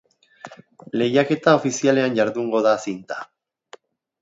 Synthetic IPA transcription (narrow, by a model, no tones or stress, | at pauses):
le̞jake̞t̪ao̞fisiale̞anɟaɾðuŋɡo̞ðasint̪ḁ